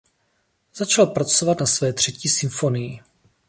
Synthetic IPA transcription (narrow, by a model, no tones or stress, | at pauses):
z̥at͡ʃalpɾat͡sovat̪nasvɛːt̪r̝̥ɛciːsɪɱfo̞nɪjɪ